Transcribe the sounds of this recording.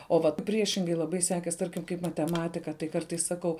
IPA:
oː ˈʋɐt ˈpʲrʲiɛʃʲɪŋɡɐɪ lˠɐˈbɐɪ ˈsʲæːkʲeːs ˈtɐrʲkʲɪm kɐɪp mɐtʲɛˈmɑːtʲɪkɐ tɐɪ ˈkɐrtɐɪs sɐˈkɐʊ

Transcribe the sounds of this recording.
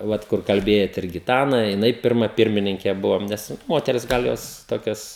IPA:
ˈʋɐt kʊr kɐlʲˈbʲeːjɛt ɪr ɡʲɪˈtɑːnɐ jɪˈnɐɪ ˈpʲɪrmɐ ˈpʲɪrʲmʲɪnʲɪŋʲkʲɛ ˈbʊʋɐm ˈnʲɛs ˈmoːtʲɛrʲɪs ˈɡɐlˠ ˈjoːs ˈtoːkʲɛs

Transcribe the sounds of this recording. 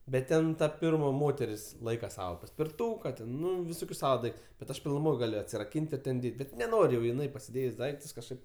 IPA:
bʲɛt ˈtʲɛn tɐ ˈpʲɪrmɐ ˈmoːtʲɛrʲɪs ˈlˠɐɪkɐ ˈsɑːʋɐ pɐsʲpʲɪrˈtuːkɐ tʲɛn ˈnʊ ʋʲɪˈsoːkʲʊs ˈsɑːʋɐ ˈdɐɪktʊs bʲɛt ˈɐʃ pʲɪlˠnʊˈmoːj ˈɡɑːlʲʊ ɐtʲsʲɪrɐˈkʲiːnʲtʲ ɪr ˈtʲɛn ˈdʲeːtʲ ˈbʲɛt nʲɛˈnoːrʲ jɛʊ ɪˈnɐɪ pɐsʲɪˈdʲeːjsʲ ˈdɐɪktʊs kɐʃˈkɐɪp

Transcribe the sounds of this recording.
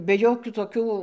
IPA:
bʲɛ ˈjoːkʲuː toːˈkʲuː

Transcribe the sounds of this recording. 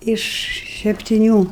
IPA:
ɪʃ sʲɛpʲtʲɪˈnʲuː

